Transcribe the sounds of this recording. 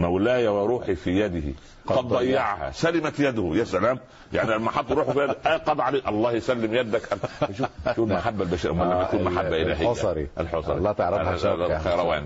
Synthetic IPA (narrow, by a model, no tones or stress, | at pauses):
mæwlæːjæwæɾˤuːħifijæd̪ɪhḭ | qɑd̪ˤd̪ˤɑjjːɑʕhæ̰sælɪmæt̪jæd̪hʊjæsælæːm | ja̰ʕniælmaħɑd̪ˤːɾuːħfijæd̪ʔæqɑd̪ˤʕaliːʔɑlˤːɑːhjsælːɪmjæd̪ækʔælæjʃuːfʃuːlmaħabːælbæːʃiːɾʔmælæjakuːnmaħabːæʔɪlæːɦɪjːæɾiʔælħosˤɑ̰ɾilːt̪ʕɾxɑjɾˤæwæ̰ːn